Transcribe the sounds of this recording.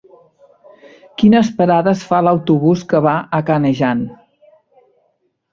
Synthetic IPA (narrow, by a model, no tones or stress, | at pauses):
kinəspəɾaðəsfaləwt̪uβuskəβ̞aʔəkanəʒan